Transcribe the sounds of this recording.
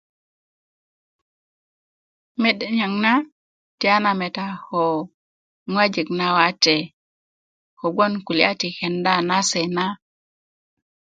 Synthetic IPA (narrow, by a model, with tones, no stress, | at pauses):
me˦˨ɗe˨ɲa˨ŋna˦ | ti˨a˦na˨me˨ta˨ho˨ | ŋwa˦d͡ʒe˨kna˦wa˦te˨ | ko˨ɡo˦nku˨li˦a˦ti˨xe˨nda˦na˦se˨na˦